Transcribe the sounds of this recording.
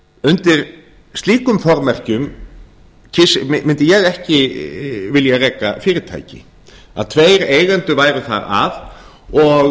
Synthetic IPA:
ʏnt̪ɪɾ̥ | st̪liːkʏmfɔɾmɛr̥cʏm | cʰɪsmɪmɪnt̪ɪjɛɣɛhcɪ | vɪljarɛːka̰fɪːɾɪt̪ʰa̰jcɪ̰ | a̰ðt̪ʰveːjɾeːjɣant̪ʏvaːjɾʏθa̰ɾa̰ð | ɔɣ

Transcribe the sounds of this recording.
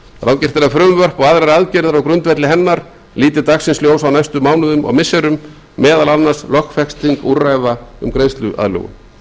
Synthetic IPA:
θɾawcɪr̥t̪ɪɾafɾʏːmvœr̥pɔɣaðɾaɾaðcɛɾðaɾɔwkɾʏnt̪vɛt̪lɪɦɛnːaɾ̥ | liːt̪̬ɪɾt̪aksɪnsljoːwsawnajst̪ʏmaːwnʏðʏmɔ̰ɣmɪsːɛɾʏmː | ɛːðalanːaslɔxkfɛkst̪iŋkuɾaːjvaʏ̰mkɾejst̪lʏʔa̰ðlœ̰ːɣʏ̰m

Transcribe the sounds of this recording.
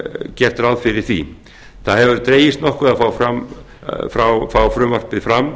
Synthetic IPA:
cɛr̥t̪ɾaðfɪɾɪɾ̥θvḭ | θaðhɛvʏɾt̪ɾeːjɪst̪nɔhkʏaðfaːwfɾam | fɾawfawfɾʏmvar̥pɪðfɾamː

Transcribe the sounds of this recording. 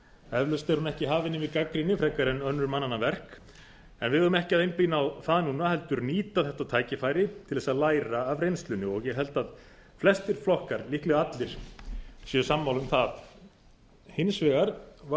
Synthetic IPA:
ɛvlʏst̪ɛɾhunɛhcɪɦaːvɪnɪvɪðkakɾinɪfɾɛkaɾɛnœnːʏɾmanːanːavɛr̥k | ɛnvɪðʏɾʏmɛhcɪaðejnpinawθaðnuːnaɦɛlt̪ʏɾniːt̪aθɛht̪at̪ʰaːjcɪfajɾɪt̪ʰɪlðɛːsaðlaːjɾaːvɾejnst̪lʏnɪɔɣjɛɣɦɛl̪t̪að | flɛst̪ɪɾ̥flɔhkaɾlihklɛɣaat̪lɪɾ̥sjœsamːawlʏmθað | hɪnsvɛɣaɾ̥va

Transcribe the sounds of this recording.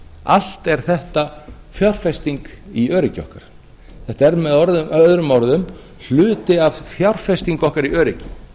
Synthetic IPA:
a̰l̥t̪ɛɾ̥θɛht̪a | θjawr̥fɛst̪iŋk | iœːɾɪcɪɔ̰hkaɾ̥ | θɛht̪aɛɾmɛðɔɾðʏœðɾʏmɔɾðʏm | l̥ʏːt̪ɪav̥θjawr̥fɛst̪iŋkɔhkaɾiœːɾɪcɪ̥

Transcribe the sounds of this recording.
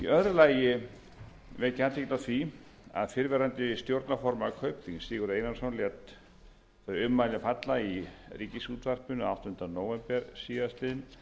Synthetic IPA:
ḭœðɾʏlaːjɪ | vɛðcat̪iknaθia̰ðfɪɾvɛɾant̪ɪst̪jowɾt̪nafɔɾmakʰœɥpliŋsɪːɣʏɾejnansɔnlɛt̪ | θœʏmːajlɪfat̪lairiːcɪsut̪var̥pʏnawht̪ʏnt̪ɾanoːwvɛmpɛɾ̥siːðast̪ɪːðɪn

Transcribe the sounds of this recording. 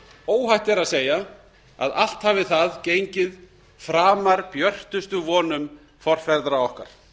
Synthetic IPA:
oːwɦajht̪ɛɾaðseːja | a̰ða̰l̥t̪havɪθaðceːjɲcɪð | fɾaːmaɾpjœr̥t̪ʏst̪ʏvɔːnʏm | fɔr̥fɛɾðɾaɔhka̰ɾ̥

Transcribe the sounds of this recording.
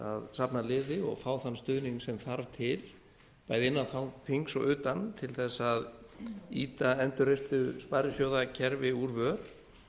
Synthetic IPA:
a̰ðsapnalɪːðɪɔ̰ɣfaːwθanːst̪ʏːðniŋsɛmθaɾvt̪ʰɪl | paːjðɪɪnːaθawθiŋksɔ̰ʔʏːt̪ant̪ʰɪlθɛsːað | iːt̪aɛnt̪ʏɾejst̪ʏspajɾʏsjowðacʰɛɾvɪuɾvœɾ

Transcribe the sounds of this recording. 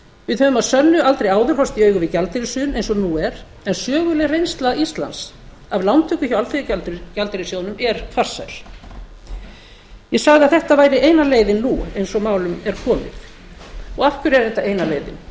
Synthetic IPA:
vɪðhœːvʏmaðsœnːʏalt̪ɾejaːwðʏɾ̥hɔst̪iœːɥɣʏvɪcalt̪ɾɪsʏːnejnsɔnuɛɾ̥ | ɛnsœːɣʏlɛɣrejnst̪laist̪la̰ns | avlawnt̪ʰʏkʏ̥çawalfejalcalt̪ɪɾɪsjoːwnʏmɛɾfar̥sa̰jl̥ | jɛsaɣðɪaðθɛht̪avaːjɾɪʔeːjnaleːjðɪnːuejnsɔmaːwlʏmɛɾ̥kʰɔːmɪ̰x | ɔɣafkʏɾɛɾθɛht̪aʔeːjnaleːjðɪ̰n

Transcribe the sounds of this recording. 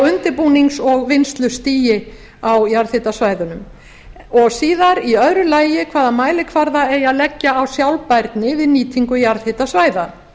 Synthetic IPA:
ʏnt̪ɪɾpuːniŋksɔɣvɪnst̪lʏst̪iːjɪ | awjaɾθhɪt̪asvaːjðʏnʏm | ɔɣsiːðaɾiœðɾʏlaːjɪkʰvaːðamaːjlɪkʰvaɾðaɛjaðlɛcːaːwsjawlpajɾt̪nɪvɪðniːt̪ʰiŋkʏjaɾθhɪt̪asvaːjða

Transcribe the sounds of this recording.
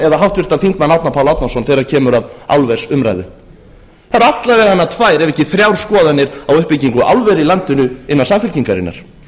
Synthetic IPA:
ɛðaɦawht̪vɪr̥t̪anfiŋkmanawt̪napʰawlawt̪nasɔnθɛjɾaɾ̥cʰɛːmʏɾaða̰lvɛsʏmɾa̰jðʏ | θaɾat̪laɾvɛɣanːat̪ʰvaːjɾɛvɛhcɪθɾjawɾ̥skɔːðanːɪɾawʏhpɪciŋkʏʔa̰wlvɛɾilant̪ɪnʏɪnːaðsamfɪlciŋkaɾɪ̰nːa̰ɾ̥

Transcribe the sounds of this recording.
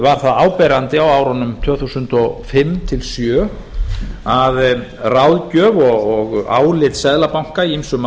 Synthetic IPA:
vaɾ̥θaðaːwpɛɾant̪ɪawaːwɾɔnʏmt̪ʰvœːθusʏnt̪ɔfɪmt̪ʰɪlsjœː | aðrawðcœːvɔɣɔɣa̰ːwlɪt̪sɛðlapawŋ̥kaiimsʏm

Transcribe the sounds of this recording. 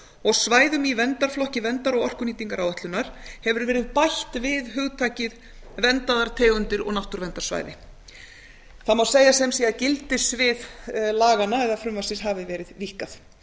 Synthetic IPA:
ɔɣsvaːjðʏmivɛnt̪aɾ̥flɔhcɪvɛnt̪aɾɔɣɔr̥kʏniːt̪iŋkaɾawat̪lʏnːaɾ̥hɛvʏɾvɛːɾɪðpajht̪vɪðɦʏɣt̪ʰaːjcɪð | vɛnt̪aðaɾ̥t̪ʰeːɣʏnt̪ɪɾɔ̰ɣnaht̪ʏɾvɛnt̪ḁsva̰ːjðɪ̰ | θamawseːjasɛmsiːaðcɪlt̪ɪsvɪðlaːɣanːaɛðafɾʏmvasɪsɦaːvɪvɛːɾɪðvihkaθ

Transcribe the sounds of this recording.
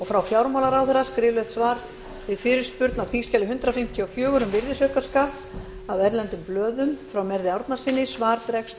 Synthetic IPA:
ɔɣfɾawfjawɾmawlaɾawθɛɾaskɾɪːvlɛθsvaːɾ | vɪðfɪɾɪɾ̥spʏɾt̪naθfiscalɪɦʏnt̪ɾafɪm̥t̪ʰiɔfjœːɣʏɾʏmvɪɾðɪsœkaskat̪ | avɛɾlɛnt̪ʏmplœːðʏmfɾawmɛɾðɪawɾt̪nḁsɪnːɪsvaːɾt̪ɾɛkst̪

